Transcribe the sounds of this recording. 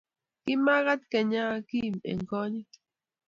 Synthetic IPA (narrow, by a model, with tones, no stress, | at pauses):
kima˦ɣa˦t̪ke˨ɲaː˦kimḛ˨ŋko˦ɲik